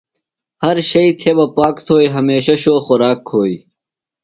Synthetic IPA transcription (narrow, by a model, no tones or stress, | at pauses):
hɐɾɕɐit̪ʰebɐpaːkt̪ʰoːiɦɐmeːɕɐɕoːxʊɾaːkʰoːi